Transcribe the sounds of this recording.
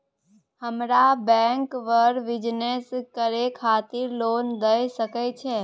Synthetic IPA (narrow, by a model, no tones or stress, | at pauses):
həmɾabɛ̃ŋkʋəɾʋid͡ʒneskəɾekʰat̪iɾlond̪əjʃəkejt͡ʃʰe